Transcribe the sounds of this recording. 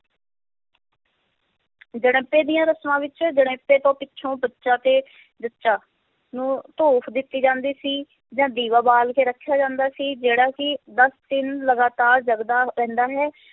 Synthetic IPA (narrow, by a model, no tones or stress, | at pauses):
d͡ʒəɽ̃ːpːẽːd̪ijãːɾəsmãːʋɪt͡ʃd͡ʒəɽẽːpːeːt̪õːpɪtːʃʰõːbətːʃãːt̪eː | d͡ʒətːʃaː | nũːt̪oːpʰd̪ɪt̪ːiːd͡ʒãːnd̪iːsiː | d͡ʒãːd̪iːʋaːbaːlkeːɾəkʰːjaːd͡ʒãːnd̪aːsiːd͡ʒeːɽaːkɪd̪əst̪ɪnləɡaːt̪aːɾd͡ʒəɡd̪aːɾɛ̃ːnd̪aːɦɛː